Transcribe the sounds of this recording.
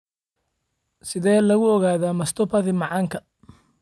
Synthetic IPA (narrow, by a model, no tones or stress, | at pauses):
sɪðɛːlɐɣʊɔɣaːðaːmɐst̪ʰɔpʰɐðɪmɑʕɑːŋkʰɐ